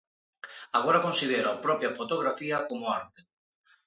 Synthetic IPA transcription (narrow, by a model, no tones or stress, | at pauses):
aɣ̞oɾɐkonsiðeɾoapɾɔpjɐfot̪oɣ̞ɾafiɐkomʊaɾt̪e